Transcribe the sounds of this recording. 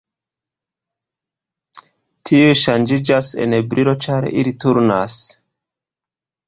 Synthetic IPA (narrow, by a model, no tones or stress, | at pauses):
tʰioʃand͡ʒid͡ʒasḛnebɾiɾo̞t͡ʃaɾḭlituɾnas